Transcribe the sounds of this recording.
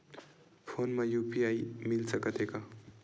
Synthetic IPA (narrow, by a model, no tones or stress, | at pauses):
pʰonmajupiaimilsʌkʌt̪eka